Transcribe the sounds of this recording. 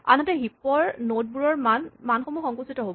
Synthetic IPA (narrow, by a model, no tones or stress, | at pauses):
a̰nɔtɛɦipɔɹnot̚buɹɔɹmanmanxomuxɔŋkusitɔɦobɔ